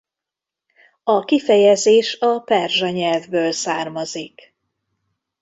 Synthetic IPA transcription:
ɒkifɛjɛzeːʃɒpɛrʒɒɲɛlvbøːlsaːrmɒzik

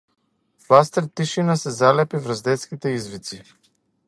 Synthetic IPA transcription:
vlast̪ɛɾt̪ːiʃinasɛzalɛpivɾəzd̪ɛt̪skʲit̪ɛizvit̪si

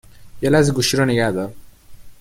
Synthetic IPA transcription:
jɐlaziɡuʃiɾɔniɡad̪ə

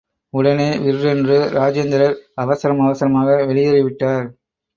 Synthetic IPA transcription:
ʊɽɐneːʋɪɾɾɛndrɯɾaːd͡ʒend̪ɪɾɐɾɐʋɐsɐɾɐmɐʋɐsɐɾɐmaːɣɐʋɛɭɪjɐɾɪʋɪʈːaːɾ

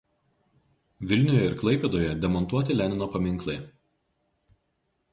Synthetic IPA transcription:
ʋʲɪlʲnʲʊjɛɪɾklˠɐɪpʲɛːd̪oːjɛd̪ʲɛmɔnˑt̪uɔt̪ʲɪlʲæːnʲɪnoːpɐmʲɪŋˑklˠɐɪ

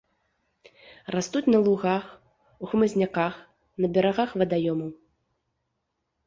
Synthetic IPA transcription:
rast̪ut͡sʲnɐlˠuɣax | uxmɐzʲnʲakax | nɐbʲɛɾaɣaxvɐd̪ajɔmɐw

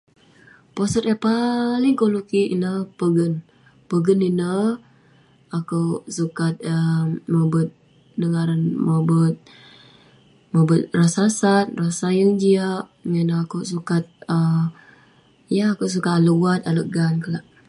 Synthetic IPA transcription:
posət̪ɛpalɪŋkolukiʔinəpəɡən | pəɡəninə | akəwsukat̪̚əmobət̪̚ | dəŋaɾanməbət̪̚ | mobət̪̚rasasat̪̚rasajəŋd͡ʒiaʔŋanakəsukat̪̚ə | jaakəws̬ukat̪aləuat̪aləʔɡankəlaʔ

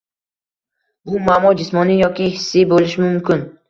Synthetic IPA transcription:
bʊmamɒd͡ʒɪsmɒnijɒkʲɪhɪsːibolɪʃɪmʊmkʲɪn

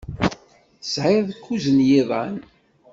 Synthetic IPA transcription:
sʕɪɾðkːuzənjɪðˤɑ̰n

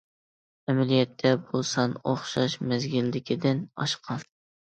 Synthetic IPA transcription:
ɛmælijɛt̪ʰːɛbosɑnoχʃɑʃmæzɡʲilːɪkʲʰid̪ɪnɑ̰ʃqʰɑn

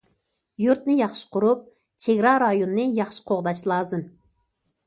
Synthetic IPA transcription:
juɾt̪nɨjɑχʃɨ̥qʰʊɾup̚ | t͡ʃʰeɡʲɾɑɾɑjonɨnɨjɑχʃɨ̥qʰoʁd̪ɑʃlˠɑːzɨm

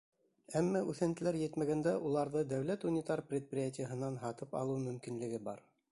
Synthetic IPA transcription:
æmːæʔʉθænt̪ɘ̆læɾjɘt̪mæɡænd̪æʔulˠɑɾðɤd̪æwl̪æt̪unʲɪt̪ɑɾprʲet̪̚prʲɪjatʲɪjəɦɤ̆nɑnɦɑt̪ɤpɑ̰lˠɤmɵ̆mkinlɘ̆ɡɘbɑ̰ɾ

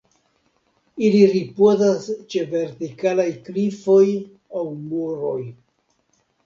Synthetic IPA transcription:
iliɾipozast͡ʃe̞ve̞ɾtikalajklifo̞j | awmuɾo̞j

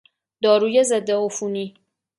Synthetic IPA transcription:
d̪ɒːɾuːjezed̪ːeofuːniː

